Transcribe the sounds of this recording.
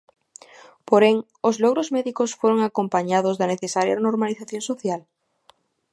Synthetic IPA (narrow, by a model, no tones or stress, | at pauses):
poɾeŋ | ozloɣ̞ɾozmɛðikosfoɾoŋakompaɲaðozðaneθesaɾja̰noɾmaliθaθjõnsoθjal